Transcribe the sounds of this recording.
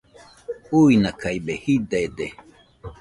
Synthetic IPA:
uinakaibehid̪ed̪e

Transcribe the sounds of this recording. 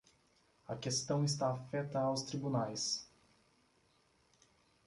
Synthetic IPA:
ɐ̰kest̪ɐ̃w̃ɪs̬t̪aːfɛt̪ɐawst̪ɾibunajs

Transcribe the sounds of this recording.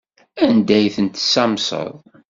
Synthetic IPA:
ænd̪æjθənt̪samsˤə̰ðˤ

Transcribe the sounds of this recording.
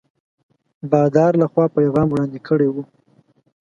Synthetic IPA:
bɑd̪ɑɾlaxwɑpəjaɣɑmwɽɑnd̪ekʰəɽewu

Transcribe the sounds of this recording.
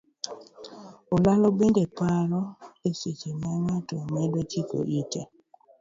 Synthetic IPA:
olalobendepaɾɔeset͡ʃemaŋatɔmɛdɔt͡ʃiko̰ʔite

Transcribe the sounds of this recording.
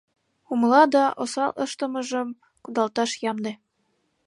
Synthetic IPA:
umlɑd̪ɑʔosɑlˠʔɤʃt̪ɤ̆mɤ̆ʒɤ̆m | kud̪ɑlt̪ɑʃjɑmd̪ĕ

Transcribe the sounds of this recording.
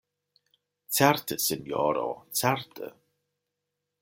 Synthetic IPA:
tʰɛɹt̪ʰəsɪnjɔ̰ːɾo̰t͡sʰɛɹt̪ʰə̰

